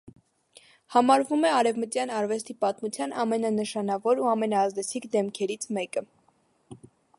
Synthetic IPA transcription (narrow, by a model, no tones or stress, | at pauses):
hɑmɑɾvumɛɑɾɛvmət̪jɑnɑɾvɛst̪ipɑt̪mut͡sʰjɑnɑmɛnɑnəʃɑnɑvɔɾuɑmɛnɑːzd̪ɛt͡sʰikʰd̪ɛmkʰɛɾit͡sʰmɛkə